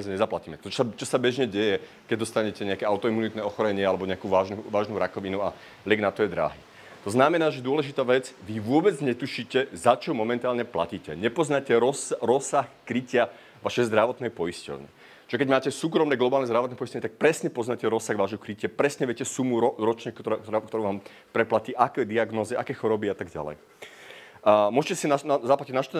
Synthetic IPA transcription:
zɲɛzaplaciːmɛt̪ɔt͡ʃst͡ʃɔsabɛʒɲɛɟɛjɛ | kɛɟ̚d̪ɔst̪aɲɛcɛɲɛakɛaʊt̪ɔimunit̪nɛɔxɔɾɛɲɪɛalɛbɔɲɛakuːʋaːʒuʋaːʒnuɾakɔʋinua̰ | lʲɛɡnat̪ɔjɛd̪ɾa̰ːɦḭː | t̪ɔznamɛnaːʒɛd̪ʊɔlɛʒit̪aːʋɛd͡zʋiʋʊɔbɛd͡zɲɛt̪uʃiːcɛzat͡ʃɔmɔmɛnt̪aːlɲɛpla̰ciːcɛɲɛpɔznacɛɾɔsɾɔsaxkɾicɪa | ʋaʃɛjzd̪ɾaʋɔt̪nɛjpɔiscɔ̰ʊɲɛ̰ | t͡ʃiʒɛkɛɟmaːcɛsuːkɾɔmnɛɡlˠɔbaːlnɛzd̪ɾaʋɔt̪nɛpɔiscɔʋɲɛt̪ak̚pɾɛsɲɛpɔznacɛɾɔsaɣʋaːʒɦɔkɾicɪapɾɛsɲɛʋjɛcɛsumuɔɾɔt͡ʃɲɛk̪kt̪ɔkt̪ɔɾuːʋaːm | pɾɛplaciːʔakɛd̪iaɡnɔːziʔakɛːxɔɾɔbiat̪aɡɟa̰lɛ̰j | mʊɔʒɛcɛsinazaplaciɟnaʃt̪

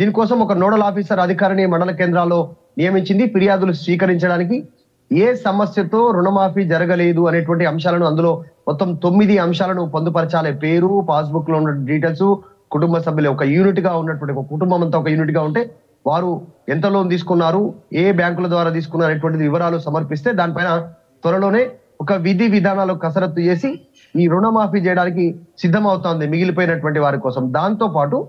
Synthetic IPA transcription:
d̪iːnikɔːsɐmɔkɐnoːɽɐlaːpiːsɐɾɐd̪ʱikaːɾɐɳiɐmɐɽɐlɐkeːnd̪ɾaːlːo̞ː | nijɐmiɲt͡ʃind̪ipiɾijaːd̪ulusʋiːkɐɾiɲt͡ʃɐɽaːnik̬i | eːsɐmɐsjɐt̪o̞ːɾuɳɐmaːpiːd͡ʒɐɾɐɡɐle̞ːd̪uɐne̞ːʈ̬ʋɐɳʈiɐmʃaːlɐnuɐnd̪ulo̞ːmɔt̪ːɐmt̪omːid̪iɐmʃaːlɐnupond̪upɐɾɐt͡ʃaːleːpe̞ːɾupaːs̬bukːlounːɐɖiːʈ̬eːls | kuʈumbɐsɐbʱjɐlɐːɔkɐjuːniʈɡaːunːɐʈuʋɐɳʈiɐkuʈumbɐmɐnt̪aːɔk̬ɐjuːniʈ̬ɡaːuɳʈe̞ː | ʋaːɾuɛnt̪ɐlo̞ːnt̪iːs̬u̥kunːaːɾueːbjaːŋkulɐd̪ʋaːɾaːt̪̬iːs̬ukunːaːɾeːʈ̬uʋɐɳʈ̬id̪iʋiʋɐɾaːlusɐmɐɾpist̪e̞ːd̪aːnipɐjnɐ | t̪ʋɐɾɐlo̞ːne̞ː | ɔkɐʋid̪ʱiʋid̪ʱaːnaːlokɐsɐɾɐt̪ːut͡ʃe̞ːsi | iːɾuɳɐmaːpiːt͡ʃɛjɐɽaːnik̬isid̪ʱːɐmɐwt̪aːnd̪imiɡilipoːjinɐʈuʋɐɳʈ̬iʋaːɾikɔːsɐmd̪aːnit̪o̞ːpaːʈu

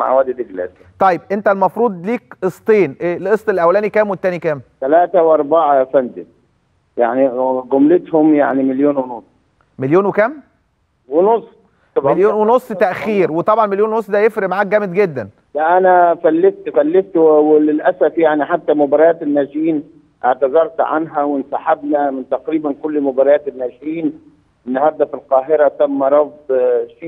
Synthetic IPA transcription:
ma̰ʕwæːd̪id̪ɪɡlæ̰s | t̪ˤɑjːeb̚ʔent̪ælmɑfɾˤuːd̪ˤliːk̚ʔesˤt̪ˤeːnʔelʔesˤt̪ˤelːʔæwːælæːnikæːmwet̪ːæːnikæːmt̪ælæːt̪æwʔɑɾˤbaʕafænd̪ɪ | ja̰ʕniɡʊmlɪt̪hʊmja̰ʕnimɪljoːnwɪnosˤ | meljoːnwekæm | wɪnosˤ | bljoːnwenosˤːt̪æʔxiːɾwet̪ˤɑbʕɑnmeljoːnwenosˤd̪æjefɾeʔmaʕaːk̚ɡæmed̪ɡed̪ːæn | læʔænæfælːeft̪fælːeft̪wwelɪlʔæsæfjaʕniħat̪ːæmʊbɑɾˤɑjæːt̪enːæːʃjiːn | ʔeʕt̪azɑɾˤt̪ʕa̰nɦæwɪnsaħabnæmɪnt̪æqɾiːbænkolːmʊbɑɾˤɑjæːt̪enːæːʃɪjiːn | ɪnːɑhɑɾˤd̪ˤɑfilqɑːɦeɾæt̪æmːæɾˤɑfd̪ʃi

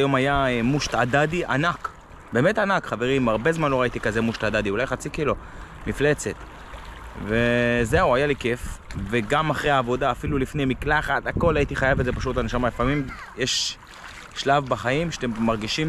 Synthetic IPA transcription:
jo̞majamuʃt̪adadiʔa̰nak | be̞ːmet̪anakχave̞ʁimaʁbe̞zmanlo̞ʁait̪ikaze̞muʃt̪ad̪ad̪iulajχat͡sikilo | mifle̞t͡se̞t̪ | vezeuajalike̞fveɡamaχʁeaːvo̞d̪aːfilulifnejmiklaχat̪ako̞lait̪iχajavetzepaʃut̪laneʃamalefamimjeʃː | lavbaχajimʃe̥at̪emːaʁɡiʃim

